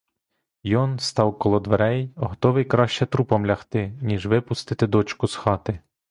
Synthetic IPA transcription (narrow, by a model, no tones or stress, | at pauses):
jɔnst̪ɑwkɔlˠɔd̪ʋeɾɛjɔɦɔt̪ɔʋɪjkɾɑʃt͡ʃɛt̪ɾupɐmlʲɐxt̪ɪnʲiʒʋɪpʊst̪ɪt̪ɪd̪ɔt͡ʃkʊsxɑt̪ɪ